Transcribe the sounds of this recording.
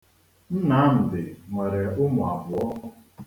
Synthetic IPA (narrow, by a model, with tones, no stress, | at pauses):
n̩˦na˦m̩˨dɪ˨ŋe˨ɾe˨ʊ˦mʊ˨a˨vʊ˨ɔ˦